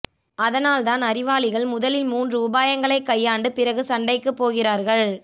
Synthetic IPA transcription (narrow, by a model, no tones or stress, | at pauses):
ɐðɐnaːlt̪aːnɐɾɪʋaːlɪɣɐɭmʊðɐlɪnmuːndrɯʊbaːjɐŋɡɐɭɐɪkːɐjːaːɳɖɯpɪrɐɣɯsɐɳɖɐɪkːɯpːoːɣɪraːɾɣɐɭ